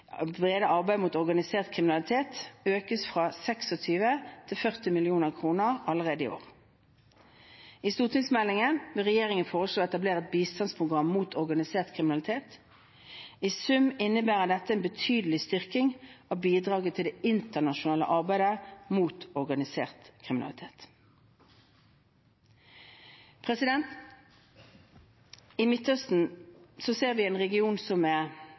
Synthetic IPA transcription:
bʁeːd̪əʔɑʁbæɪd̪muːt̪ɔʁɡɑnɪseːʁt̪̚kʰʁɪmɪnɑlɪt̪ʰeːt̪øːkəsfʁɑsɛksɔt̪ʰyːʋət̪ʰɪlfœʁt̪ɪmɪlɪuːnəʁkʰʁuːnəʁɑlːəʁeːd̪əɪ̰o̰ːʁ | ɪst̪uːt̪ɪŋsmɛlːɪŋənʋɪlʁɛjeːʁɪŋənfoːʁəsloːɛt̪ɑbleːʁəɛt̪̚biːst̪ɑnspʰʁʊɡʁɑmːuːt̪ʰɔʁɡɑnɪseːʁt̪kʰʁɪmɪnɑlɪt̪ʰeːt̪ | isʉmɪnːəbæːʁəd̪ɛt̪ːəɛnbət̪ʰyːd̪əlɪst̪ʏʁkɪŋɑʋbiːd̪ʁɑːɡət̪ʰɪld̪eːɪnt̪əʁnɑʃʊnɑːlə̰ʔɑʁbæɪd̪əmuːt̪ɔʁɡɑnɪseːʁt̪kʰʁɪmɪnɑ̰lɪ̰t̪ʰeːt̪ | pʰʁɛsɪd̪ɛnt̪ | ɪmɪt̪ːœst̪n̩sɔseːʁʋɪɛːnʁɛɡɪuːnsɔmæʁ

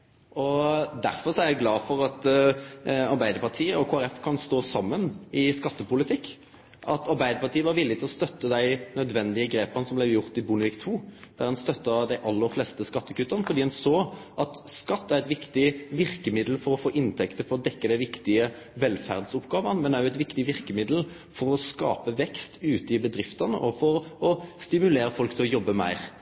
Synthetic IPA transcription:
ʔɔd̪æ̰ɾfɔʁsɔæɾjæɪɡlɑːfɔɾɑt̪ | ɑɾbæɪd̪əɾpɑʁʈ̪ʰiːəɔkʰoːæɾɛfkʰɑnst̪oːsɑmːənɪskɑt̪ːəpʊlɪt̪ʰɪkː | ʔɑt̪ɑɾbæɪd̪əɾpɑʁʈ̪ʰiːəʋɑɾʋɪlːɪt̪ɪlɔst̪œt̪ːəd̪æɪnœd̪ʋɛnd̪ɪəɡɾeːpənəsɔmblɛjʊɾt̪ɪbʉnəlɪkt̪ʰuːd̪̥æɾdɑnst̪œt̪ːəd̪æɪʔɑlːəɾflɛːst̪əskɑt̪ːəkʉt̪ːəʁnəfɔʁd̪iːhɛnsoːʔɑt̪skɑt̪ːæʁɾɛt̪ʋɪkt̪ɪʋɪʁkəmɪd̪l̩fɔɾɔfoːʔɪnt̪ʰɛkt̪əfɔɾɔd̪ɛkːəd̪æɪʋɪkt̪ɪə | ʋɛlfæ̰ʁd̪sʊpɡɑːʋənmɛnd̪æjʊɛt̪ʋɪkt̪ɪʋɪʁkəmɪd̪l̩ | fɔɾɔskɑ̰ːpəʋɛkst̪ʉːt̪əɪbəd̪ɾɪft̪ənəʔɔfɔɾɔst̪ɪmʉleːɾəfɔlkt̪ʰɪlɔjɔbːəmæ̰ɪɾ

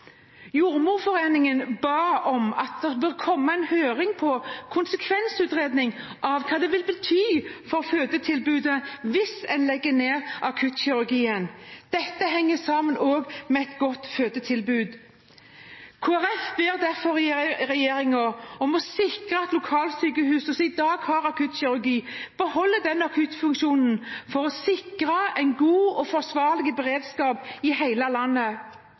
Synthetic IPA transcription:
juːʁmuːʁfɔʁeːnɪŋənbɑːɔmɑt̪̚d̪ɛbəːʁkʰɔmːəɛnhøːɾɪŋpʰɔkʰʊnsəkʰʋɛnsʉːt̪ɾeːd̪nɪŋʔɑʋkʰɑːd̪ɛʋɪlbət̪ʰyːfɔʁføːd̪ət̪ʰɪlbʉːd̪əʋɪsɛnlɛɡːəneːʁʔɑkʰʉːt̪ɕɪʉʁɡiːənd̪̥ɛt̪ːəɦɛŋːəsɑːmənoːɡmɛɛt̪ɡɔt̪ːføːd̪ət̪ʰɪlbʉːd̪ | kʰoːæʁɛfbeːɾd̪æɾfɔɾɪʁɛjeːɾɪŋɔɔmɔsɪkɾəɛt̪lʊkʰɑːlsyːkəhʉːsɔsɔɪd̪ɑːɡhɑɾɑkʰʉːt̪ɕɪɾʉɡiːb̥əhɔlːəd̪ɛnːɑkʰʉt̪fʉŋkʃuːnn̩fɔɾɔsɪkɾəæɪnɡuːɔfɔsʋɑːɾlɪɡəbɛɾeːd̪skɑːpɪhæɪləlɑnːə

